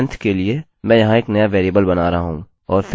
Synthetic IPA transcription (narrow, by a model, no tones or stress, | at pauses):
nt̪ʰkelie | mɛ̃ːjɐɦãeːknɐjaʋeːɾjeːbəlbɐnaːɾɐɦaɦṵ̃ː | ɔːɾfɪ